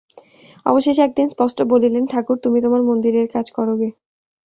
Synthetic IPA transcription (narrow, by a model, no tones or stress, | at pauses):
ɔ̰boʃeʃɛk̚d̪inspɔʃʈʰobolilenʈʰakuɾt̪umit̪omaɾmond̪iɾeɾkad͡ʑkɔɾoɡe